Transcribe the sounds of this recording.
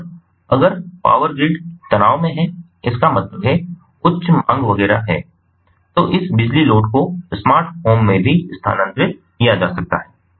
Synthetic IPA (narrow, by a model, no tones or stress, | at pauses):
ɐɡəɾpa̰ːʋəɾɡɾɪɖt̪ɐnaːʋmẽɦɛ̃ | ɪskamɐt̪ləbɦɛ | kʊʃmã̰ŋɡʋɐɣɛːɾa̰ɦɛː | t̪oːʔɪsbɪd͡ʒliloːʈkosmaːɾʈhoːmːẽbʱiɪst̪ʰa̰ːnə̃nt̪ɾɪt̪̚ | kijad͡ʒaːsɐk̚t̪a̰ɦɛː